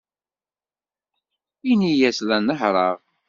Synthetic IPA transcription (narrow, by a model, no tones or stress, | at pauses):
inijæslænːəħɾˤɑʁ